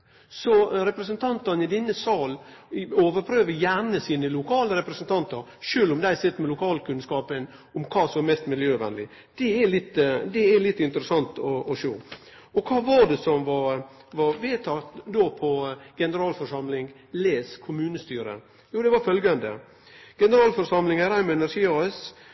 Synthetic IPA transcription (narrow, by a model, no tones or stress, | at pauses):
sɔɾɛpɾəsənt̪ʰɑnt̪ɑnɪd̪ɪnːəsɑːloːʋəɾpʰɾøːʋəjæɳəsiːnəlʊkʰɑːləɾɛpɾəsənt̪ʰɑnt̪ɑɾʂøːlʊmd̪æɪsɪt̪ːəmɛlʊkʰɑːlkʉnskɑːpən | ʊmkʰɑːsɔmɛst̪mɪljøːʋɛ̰nlɪ | d̪̥ɛɛlɪt̪ːd̪ɛælɪt̪ːɪnt̪əɾəsɑnt̪ɔʔɔʂoː | ɔkʰɑːʋɑd̪ɛsɔmʋɑɾ | ʋɑɾʋeːt̪ʰɑt̪d̪oːpʰɔɡ̥ɛnəɾɑːlfɔʂɑmlɪŋ | leːskʰʊmʉːnəst̪yːɾə̰ | juːd̪ɛʋɑfœlɡɑnd̪ə̰ | ɡ̥ɛnəɾɑːlfɔɾʂɑmlɪŋæɾæɪmɛɛnæɾʂiːɑɛs